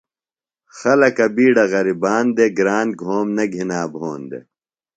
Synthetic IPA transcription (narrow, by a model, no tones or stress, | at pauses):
xɐlɐkɐbiːɽɐɣɐɾibaːnd̪eɡɾaːnɡʱoːmnɐɡʱinaːbʱoːnd̪ḛ